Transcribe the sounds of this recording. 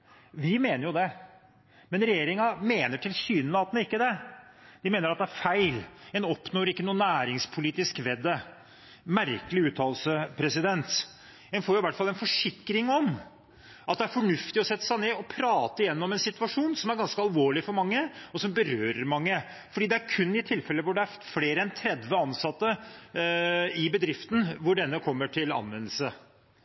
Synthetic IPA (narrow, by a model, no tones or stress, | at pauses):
ʋɪmeːnəɾjʊd̪ɛ | mɛnɾɛjeːɾɪŋɑmeːnəʈʰɪlsyːnəlɑːt̪ənəɪkːəd̪ɛd̪̥ɪmeːnəɾɑt̪̚d̪ɛæɾfæɪlɛnɔpːnoːɾɪkːənuːənæːɾɪŋspʰʊliːt̪ɪskʋɛd̪ːə | mæɾkəlɪʉːt̪ʰɑːllsəpʰɾɛsɪd̪ɛnt̪ | ɛnfoːɾjʊɪʋæʈːfɑlːɛnfɔʂɪkːɾɪŋɔm | ʔɑt̪̚d̪ɛæɾfɔɳʉft̪ɪɔsɛt̪ːə̥sæɪneːɔpʰɾɑːt̪əɪjɛnːɔmɛnsɪt̪ʉʋɑʂuːnsɔmæɾɡɑnskəɑlʋoːɭɪfɔɾmɑŋːəɔsɔmbəɾøːɾəɾmɑŋːə | fɔɖiːd̪ɛæɾkʰʉnːɪt̪ʰɪlfɛlːəʋʊɖɛæɾfleːɾəɛnt̪ʰɾɛd̪ʋəɑnsɑt̪ːə | ɪbəd̪ɾɪft̪n̩ʋʊɖɛnːəkʰɔmːəʈʰɪlɑ̰nʋɛnːəlsə